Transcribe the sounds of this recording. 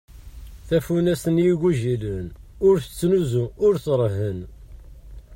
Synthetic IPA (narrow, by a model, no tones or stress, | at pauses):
θæfunæsənjiɡuʒilənʊɾθət͡sːnuzuʊɾθɾˤəɦːən